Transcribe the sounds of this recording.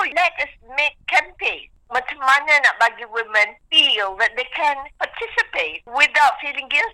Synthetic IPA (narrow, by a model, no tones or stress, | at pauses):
olɛtəsmek̚kʰɛ̃mpen | matʰəmanə̃nabaɡiwɪmə̃nfilˠðɛt̚ðekʰɛ̃npʰatʰɪsɪpeɪt̚wɪðaʊtfilɪ̃ŋɡɪlt